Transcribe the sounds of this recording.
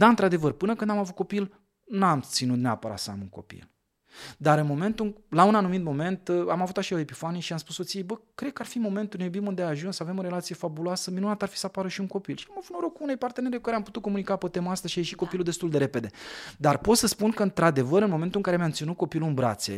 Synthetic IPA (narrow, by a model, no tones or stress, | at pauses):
d̪aɨnt̪ɾad̪e̞vərpɨnəkɨnd̪amavut̪̚ko̞pil | namt̪sinut̪nea̰pəɾa̰t̪səa̰muŋko̞̰pḭl | d̪aɾɨnmo̞me̞nt̪ulaunanumit̪mo̞me̞nt̪amavut̪aʃioepifanijʃiamspuso̞t̪sijejbəkɾe̞d̪̚kəarfimo̞me̞nt̪unejubimund̪eaːʒunsave̞moɾe̞lat̪sije̞fabuloasəminunat̪arfi̥səapaɾəʃiuŋko̞pilʃiamavut̪noɾo̞kuune̞jpart̪ene̞ɾekukaɾeamput̪ut̪̚ko̞munikapət̪emaast̪əzʃieʃiko̞pilud̪e̞st̪uld̪e̞ɾe̞pe̞d̪e̞d̪arpo̞t̪səspunkəɨnt̪ɾad̪e̞vəɾɨnmo̞me̞nt̪uɨŋkaɾemjamt̪sinut̪̚ko̞piluɨnbɾa̰t̪sḛ